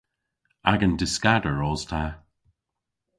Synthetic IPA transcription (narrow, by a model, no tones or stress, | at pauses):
aɡəndɪskadəɹɔːz̥tʰa